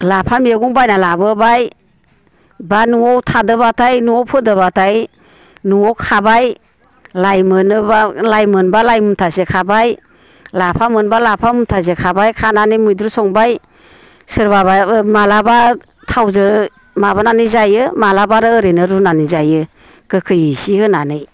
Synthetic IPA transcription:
lapʰamieɡuŋbajnalabɯbaj | banuɔwtʰadɯbatʰajnuɔwpʰɯdɯβatʰaj | nuɔwkʰabaj | lajmɯnɯbalajmɯnbalajmuntʰazekʰabaj | lapʰamɯnbalapʰamuntʰaz̬ekʰabajkʰananɯjmujdɾusɔŋbaj | sɯɾbabamalaba | tʰawzɯ | maβananɯzajɯmalabaɾɯːɾenɯɾunanizajɯ | kɯkʰɯjɯsihɯnanɯj

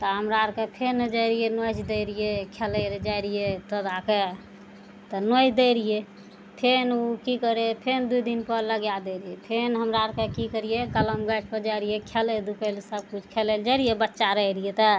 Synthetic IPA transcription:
t̪ɔɦəmɾaɾkepʰeɾned͡ʒəjɾijenojd͡ʒd̪eɾijekʰeleɾed͡ʒajɾijet̪əd̪ake | t̪ɔnojd͡ʒd̪eɾije | pʰenukikəɾepʰend̪uid̪inpəɾləɡjad̪eɾijepʰenɦəmɾaɾkekikəɾijekələmɡəʈ̚pəɾd͡ʒajɾijekʰeled̪upəlsəb̚kut͡ʃʰkʰeleld͡ʒaɾijebətːʃaɾəɦiɾijet̪ə

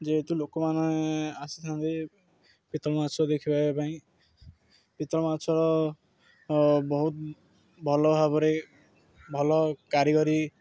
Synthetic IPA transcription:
d͡ʒeːt̪ulokɔmanɔeasit̪ʰant̪e | pit̪ɔlmasʰɔd̪ekʰibabepaĩ | pit̪ɔmasʰɔɾɔ | bɔɦut̪̚ | bʱɔlɔbʱaβɔɾe | bʱɔlɔkaɾiɡɔɾi

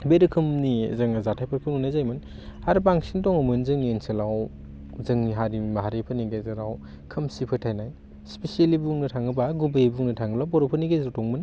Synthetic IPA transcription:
beɾɯkʰɯmnizɯŋazatʰajpʰɯɾkʰɯnunajzajmɯn | haɾpaŋsintɔŋɐmɯnzɯŋnienselaw | zɯŋniɦaɾimaɦaɾepʰɯniɡezɐɾaw | kʰɯmsipʰɯtʰajnaj | spesielibuŋnɯtʰaŋɯbaɡubejbuŋnɯtʰaŋɡɯlawbɔɾopʰɯniɡezɾtɔŋmɯn

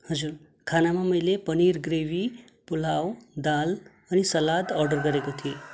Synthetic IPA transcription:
hʌd͡zuɾ | kʰanamamʌjlepʌniɾɡɾewi | pul̤awd̪al | ʌnisʌlad̪ʌrɖʌrɡʌɾekot̪ʰie

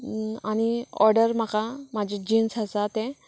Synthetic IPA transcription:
añiɔ̰ɾɖəɾm̤akamad͡ʑʱed͡ʑinsasat̪ẽ

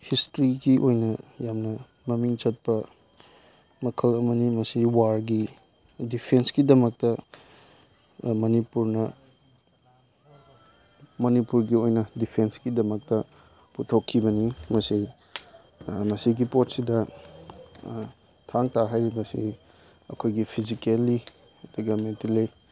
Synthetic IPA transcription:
histɾiɡiʔojnɐjamnɐ | mɐmiŋt͡ʃɐt̚pɐ | mɐkʰɐlɐmɐnimɐsiwaɾɡi | dipʰensɡidɐmɐk̚tɐ | mɐnipuɾnɐ | mɐnipuɾɡiojnɐdipʰensɡidɐmɐk̚tɐ | putʰɐwkʰːibɐnimɐsi | mɐsiɡipot̚sidɐ | tʰaŋtʰaɦajɾibɐsḭ | ɐ̰kʰojɡipʰizikelːi | ɐdɐɡɐmentile

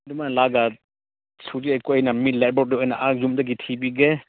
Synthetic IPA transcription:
dumanlaɡa | sʰud͡ʒiajkoɔjnamitlɛt̚bɔduɔjnaʔazumdaɡitʰibiɡe

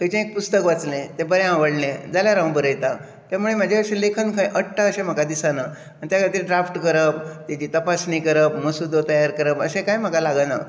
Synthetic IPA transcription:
ɦət͡ɕẽek̚pust̪əkʋat͡slẽt̪ebəɾjããʋəɽnẽd͡zaljaɾãw̃bəɾəjt̪a | t̪jamuɭem̤ad͡ʑʱeəɕẽlekʰənkʰãjʔəʈʈʰːaəɕẽm̤əkad̪isana | aɳt̪jakʰaɽt̪iːɾɖɾafʈkəɾəp̚t̪at͡ɕit̪əpasnikəɾəpməsud̪ʱot̪əjaɾkəɾəpəsẽkajm̤əkalaɡəna̰

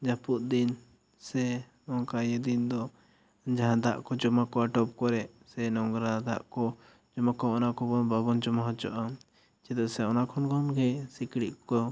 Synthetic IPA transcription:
d͡ʒapuʔ̪̚d̪in | sɛ | ɔŋkajɛd̪ind̪ɔ | d͡ʒaɦãd̪aʔkɔd͡ʒɔmakɔaʈɔp̚kɔɾɛʔ | sɛnɔŋɡɾad̪aʔkɔ | d͡ʒɔmakɔɔnakɔbɔnbabɔnd͡ʒɔmaɦɔt͡ʃɔ̰ʔa | t͡ʃɛd̪ɔsɛɔnakʰɔnkʰɔnɡɛsikɽiʔkɔ

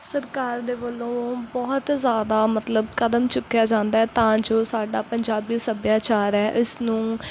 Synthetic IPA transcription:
səɾkaːɾd̪eːbəlːõːbɔːt̪zjaːd̪aːmət̪ləbkəd̪əmt͡ʃʊkːjaːd͡ʒãːnd̪aːɛːt̪ãːd͡ʒoːsaːɖaːpəɲd͡ʒaːbiːsəbjaːt͡ʃaːɾɛːʔɪsnũː

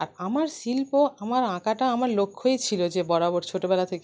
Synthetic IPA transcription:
aɾamaɾsilpoʔamaɾãkaʈaamaɾlokʰːoet͡ɕʰilod͡ʑebɔɾaboɾt͡ɕʰoʈobɛlat̪ʰeke

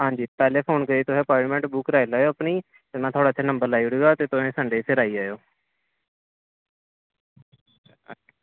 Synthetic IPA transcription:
ɦãːɲd͡ʒiːpɛːleːpʰoːnkəɾiːt̪ʊɦeːpaːɾʈmɛ̃ɳʈbʊkɾaːilaːjoːəpniː | t̪emãːt̪ʰoːɽaːt̪ʰːeːnəmbəɾlaːiʊɽiːɡaːt̪eːt̪ʊẽːsãːɳɖeːseɾaːiːaːjoː

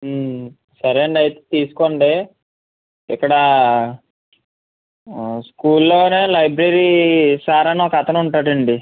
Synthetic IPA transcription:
sɐɾeːɳɖɐjt̪eːt̪iːsu̥koɳɖeː | ikːɐɽɐ | skuːlːo̞ːneːlɐjbɾeɾisaːɾɐnɔkɐt̪ʰɐnuɳʈaːɽɐɳɖi

